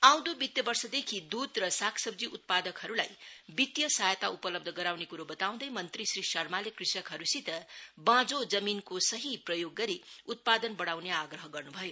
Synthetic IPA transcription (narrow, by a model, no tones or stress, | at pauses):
aw̃d̪obit̪jʌbʌrsʌd̪ekʰid̪ud̪rʌsakʰsʌbd͡ziʔut̪̚pad̪ʌkɦʌɾulajbit̪jʌsajt̪aupʌlʌbd̪ʱʌɡʌɾawnekuɾobʌt̪aw̃d̪ʌjmʌnt̪risrisʌrmalekrisʌkɦʌɾusit̪ʌbãd͡zod͡zʌminkosʌɦiprʌjoɡːʌɾiut̪̚pad̪ʌnbʌɽawneaɡrʌɦʌɡʌrnubʱʌjo